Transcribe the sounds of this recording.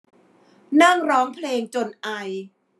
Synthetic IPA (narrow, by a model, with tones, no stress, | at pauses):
na˥˩ŋɾɔː˦˥ŋpʰleː˧ŋt͡ɕo˧nʔa˧j